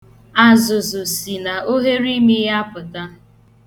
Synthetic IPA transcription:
a˨zʊ˨zʊ˨si˨na˨o˦ɦe˦ɾi˦mi˦ɦa˦pʊ˨ta˦

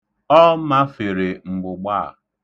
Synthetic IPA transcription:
ɔ˦ma˦fe˨ɾe˨ŋ͡m̩˨ɡ͡bʊ˨ɡ͡ba̰˦˨

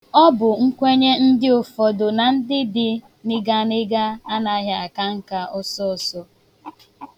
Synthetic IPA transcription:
ɔ˦bʊ˨ŋ̩˦kʷe˦ɲe˦n̩˦dɪ˦ʊ˨fɔ˨do˨na˨n̩˦dɪ˦dɪ˦ | nɪ˦ɡa˦nɪ˦ɡa˦a˦na˨˦ɦja˨a˨ka˦ŋ̩˦ka˨ʊ˦sɔ˦˨sɔ˦

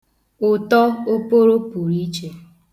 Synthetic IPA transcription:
ʊ˨tɔ˦o˦po˦ɾo˦pu˨ɾi˦t͡ʃe˨

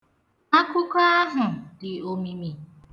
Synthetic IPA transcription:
a˦kʊ˦ka˦a˦ɦʊ˨dɪ˨o˦mi˦mi˨

